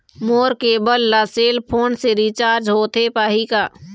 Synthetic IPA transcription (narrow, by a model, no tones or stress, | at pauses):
moːɾkebəlːaseːlpʰoːnseɾit͡ʃaːɾd͡ʒɦoːt̪ʰepaːɦikaː